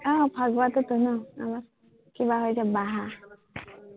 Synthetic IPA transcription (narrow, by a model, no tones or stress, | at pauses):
ɔpʰaɡbat̪ɔt̪unɔa̰maɾ | kibaɦojt͡ʃʰabaɦa